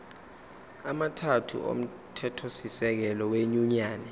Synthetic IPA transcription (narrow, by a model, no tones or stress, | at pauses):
amatʰatʰṵʔo̰m̩ | tʰɛtʰosisɛk̬ɛlɔweɲuɲaːnɛ